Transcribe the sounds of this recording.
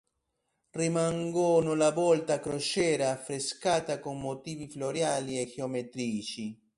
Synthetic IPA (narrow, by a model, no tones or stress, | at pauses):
rimaŋɡɔnʊlabɔlt̪akɾot͡ʃɛːɾaːfːɾeskaːt̪akomːot̪iːvifloɾjaːliɛxeomet̪ɾiːt͡ʃi